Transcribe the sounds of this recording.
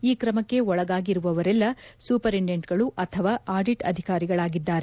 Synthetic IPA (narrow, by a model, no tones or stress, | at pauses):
iːkɾɐmɐkːe̞ɔɭɐɡaːɡiɾuʋɐʋɐɾɛlːɐsuːpɐɾiɳɖeɳʈɡɐɭuʔɐt̪ʰɐʋaːaːɾɖiʈɐ̰d̪ʱikaːɾiɡɐɭaːɡid̪ːaːɾe